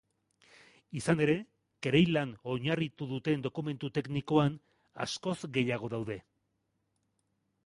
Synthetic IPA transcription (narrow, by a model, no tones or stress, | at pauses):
isane̞ɾe̞ | keɾejlano̞ɲarit̪uðut̪e̞nd̪o̞kume̞nt̪ut̪e̞kniko̞an | a̰sko̞zɡe̞jaɣ̞o̞ðawðe̞